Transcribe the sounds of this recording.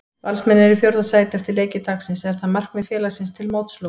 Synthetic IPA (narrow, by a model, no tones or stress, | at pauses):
valsmɛnːɪɾɪfjowɾðasaːjt̪ɛft̪ɪɾleːjcɪt̪aːxsɪnsɛɾ̥θaðmar̥knmɪðfjɛːlasɪnst̪ʰɪlmoːwt̪slo